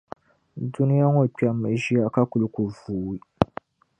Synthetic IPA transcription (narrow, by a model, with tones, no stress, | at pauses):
du˦ni˦ja˦ŋɔ˨k͡pa˨˦mːɛ˨ʒi˦a˦ka˦ku˨lɨ˦ku˨vuː˨i˦